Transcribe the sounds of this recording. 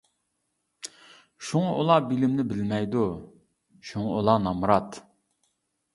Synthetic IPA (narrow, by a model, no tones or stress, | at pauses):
ʃuŋɑʔulˠɑbilɪmnɪbɪlmɛjd̪u | ʃuŋɑolˠɑnɑmɾɑt̪